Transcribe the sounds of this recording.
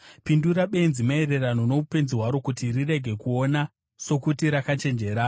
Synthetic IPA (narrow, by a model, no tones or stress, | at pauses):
pinduɾaɓe̞inzimaeɾe̞rano̞no̞upe̞nziɦwaɾo̞kutirire̞ɡʱe̞kuo̞na | so̞kutiɾakat͡ʃe̞nd͡ʒe̞ːɾa